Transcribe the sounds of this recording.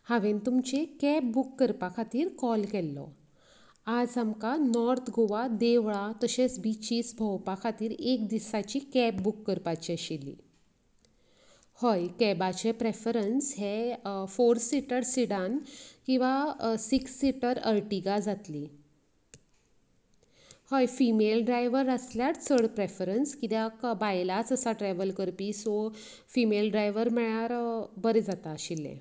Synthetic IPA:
haʋẽnt̪umt͡ɕekɛp̚bukːəɾpakʰat̪iːɾkɔlkɛlːɔ̰ | ad͡zamkanɔɾt̪ʰɡoʋad̪eʋɭat̪əɕesbit͡ɕiːsbʱɔwpakʰat̪iːɾek̚d̪isat͡ɕikɛpbukːəɾpat͡ɕiɕilːḭ | hɔjkɛbat͡ɕepɾefɾənsɦɛfoɾsiʈəɾsiɽãnkĩw̃ʋasiksːiʈəɾəɾʈiɡad͡zat̪li | hojfimelɖɾajʋəɾəsljaʈt͡sʰəɽpɾefəɾənskit̪jakbajlat͡səsaʈɾɛʋəlkəɾpiːso | fimelɖɾajʋəɾmɛɭaɾbəɾed͡zat̪aːɕilːḛ

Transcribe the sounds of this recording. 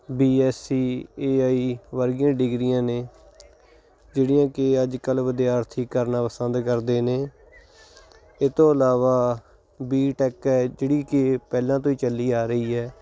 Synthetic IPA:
biːɛːsiːeːaːiːʋəɾɡɪjãːɖɪɡɾijãːneː | d͡ʒeːɽɪjãːkɪəd͡ʒkəlʋəd̪jaːɾt̪ʰiːkːəɾnaːpəsənd̪kəɾd̪eːneː | eːt̪õːəlaːʋaː | biːʈɛːkɛːd͡ʒeːɽiːkɪpɛːlãːt̪̬õːiːt͡ʃəlːiːaːɾəiːɛː

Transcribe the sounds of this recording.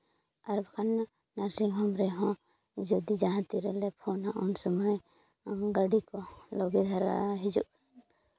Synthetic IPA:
aɾbkʰanː | aɾsiŋɦɔmɾɛɦɔ̃ | d͡ʒɔd̪id͡ʒaɦãt̪iɾɛlɛpʰɔnaʔɔnsɔmɔj | ɡaɖikɔlɔɡid̪ʱaɾa̰ɦid͡ʒṵʔkʰan

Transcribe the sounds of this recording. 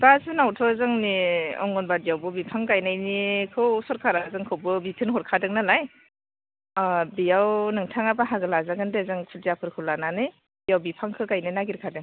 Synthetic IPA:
bazɯnawtʰɔzɯŋniɔ̰ŋɡɔnbadijawbɯbipʰaŋkajnajnikʰɯwsɔɾkʰaɾazɯŋkʰɯwbɯbitʰɯnɦɔɾkʰadɯŋnɯlaj | bijawnɯŋtʰaŋabaɦaɡɯlazaɡɯndezɯŋkʰudijapʰɯɾkʰɯwlananɯj | bijawbipʰaŋkʰɯkajnɯjnaɡiɾkʰadɯŋ

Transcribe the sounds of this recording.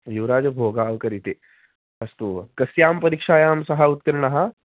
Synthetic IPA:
juʋɾaːd͡ʒɐbʱoːɡaːʋkɐɾit̪eː | ɐst̪ukɐsjaːmpɐɾikʂaːjaːmsɐɦɐut̪̚kɐɾɳɐɦɐ

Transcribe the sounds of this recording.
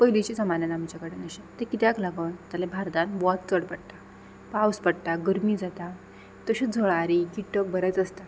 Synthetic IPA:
pəjlit͡ɕid͡zəmananamit͡ɕjakəɽenəɕet̪ekit̪jaklaɡənt̪alẽbʱaɾd̪anʋɔt̪̚t͡səɽpəɽt̪a | pawspəɽt̪aɡəɾmid͡zat̪a | t̪əɕəd͡zʱəɭaɾikiʈːək̚bəɾat͡səst̪a

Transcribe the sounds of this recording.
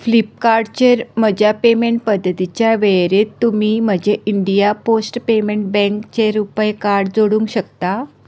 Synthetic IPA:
flip̚kaɾɖt͡ɕeɾm̤əd͡ʑjapemeɳʈ̚pəd̪ʱːət̪it͡ɕjaʋeɭɾet̪ːumiːm̤əd͡ʑʱeʔiɳɖijaposʈpemeɳʈ̚bɛ̃ŋkt͡ɕeɾupəjkaɾɖd͡zoɽũŋkɕəkt̪a

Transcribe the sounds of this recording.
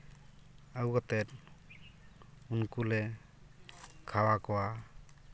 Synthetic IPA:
awɡɔt̪ɛt | unkule | kʰawakɔwa

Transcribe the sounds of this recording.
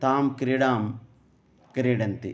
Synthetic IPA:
t̪aːmkɾiɽaːm | kɾiɽɐnt̪ḭ

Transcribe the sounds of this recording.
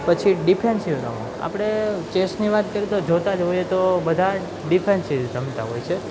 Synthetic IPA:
pət͡ʃʰiɖipʰensiʋɾa̰mã̰ | a̰pɽ̃et͡ʃesniʋat̪kəɾit̪od͡ʒot̪ad͡ʒojet̪obəd̪ʱa | ɖipʰensid͡ʒəmt̪aɦojt͡ʃʰe

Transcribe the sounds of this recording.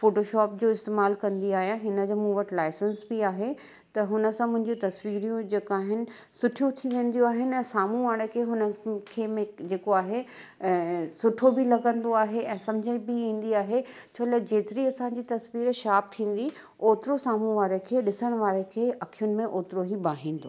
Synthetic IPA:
foːʈoːʃɔːp̚d͡ʑoːɪst̪eːmaːlkɐ̃nd̪iaːɦijãɦɪnə̆d͡ʑoːmũːʋəʈlaːɪsənsbiaːɦe | t̪ɐɦʊnə̆sãmʊ̃ɦɪ̃ɲd͡ʑĩt̪ɐsʋiːɾijũd͡ʑeːkaːɦɪnɪ̆ | sʊʈʰijũt̪ʰiʋẽːnd̪ijũaːɦɪnɪ̆ɛ̃ːsaːmũʋaːɽ̃ekʰeɦʊnə̆kʰeːmẽd͡ʑeːkoaːɦe | sʊʈʰobɪlɐɡə̃nd̪oaːɦeʔɛ̃ːsɐ̃md͡ʑʱəibɪĩːn̆d̪iaːɦe | t͡ɕʰoːlɛd͡ʑeːt̪ɪɾiɐsãːɲd͡ʑit̪ɐsʋiːɾʃaːp̚t̪ʰĩːn̆d̪i | oːt̪ɪɾosaːmũʋaːɾekʰeːɗɪsəɽ̃ʋaːɾekʰeːʔɐkʰijʊnɪ̆mẽʔoːt̪ɾoɦibaːɦĩːn̆d̪o̰ː

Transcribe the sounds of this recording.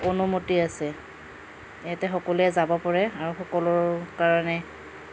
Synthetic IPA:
onumotiasɛ | ejatɛxɔkɔlɛzabɔpɔɹɛaɹuxɔkɔlɔɹkaɹanɛ

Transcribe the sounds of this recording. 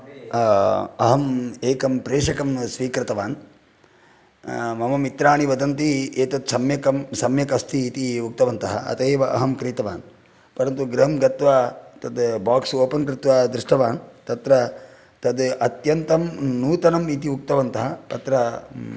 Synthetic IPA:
ɐ̰ɦɐmeːkɐmpɾeːʂɐkɐmsʋiːkɾɪt̪ɐʋaːn | mɐmɐmit̪ɾaːɳiʋɐd̪ɐnt̪ieːt̪ɐt̪sɐmjɐkɐmsɐmjɐkɐst̪ʰiːt̪iuk̚t̪ɐʋɐnt̪ɐɦɐ̰ʔɐ̰t̪ɐeːʋɐʔɐ̰ɦɐmkɾiːt̪ɐʋa̰ːn | pɐɾɐnt̪uɡɾɐɦɐmɡɐt̪ʋaːt̪ɐd̪baːksoːpɐnkɾɪt̪ʋaːd̪ɾɪʂʈɐʋaːnt̪ɐt̪ɾɐ | t̪ɐd̪ɐt̪jɐnt̪ɐmnuːt̪ɐnɐmit̪iuk̚t̪ɐʋɐnt̪ɐɦɐt̪ɐt̪ɾɐ

